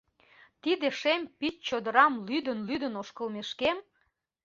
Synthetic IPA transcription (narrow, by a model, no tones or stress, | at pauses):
t̪id̪eʃempit͡ɕt͡ɕod̪əɾɑmlyd̪ənlyd̪ənoʃkəlmeʃkem